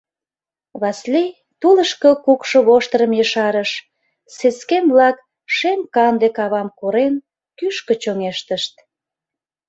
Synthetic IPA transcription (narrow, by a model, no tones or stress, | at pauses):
βɑslej | t̪uləʃkəkukʃŏβoʃt̪əɾəmjəʃɑɾəʃ | seskemblɑk | ʃemkɑnd̪ekɑβɑmkoɾen | kyʃkə̆t͡ɕoŋeʃt̪əʃt̪̚